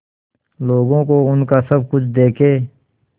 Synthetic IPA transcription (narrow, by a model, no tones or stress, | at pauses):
loːɡõkoʊnkasəb̚kʊt͡ʃʰd̪eːkʰeː